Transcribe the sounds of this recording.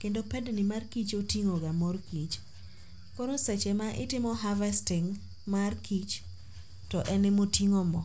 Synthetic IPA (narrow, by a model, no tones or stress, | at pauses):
kendopɛdnimarkit͡ʃotiŋoɡamorkit͡ʃ | koɾosɛt͡ʃɛmaʔɪ̰tɪmɔɦavɛstɪŋ | markit͡ʃ | tɔʔɛnɪmotiŋomɔ